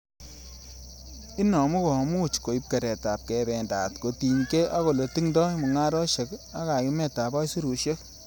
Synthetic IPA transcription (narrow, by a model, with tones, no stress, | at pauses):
i˦nɔ˨mu˦kɔ˨mu˦t͡ʃko˨i˦p̚ke˨ɾɛ˨ta˨p̚kɛ˨bɛ˨nda̰˨tko˨ti˨ɲke˦ʔa˦ko˨lo˨ti˦ŋdɔ˦mu˨ŋa˦ɾɔ˦ʃe˨˦ka˦ka˨ki˦mɛ˨ta˨ba˦jsu˦ɾu˨ʃe˦k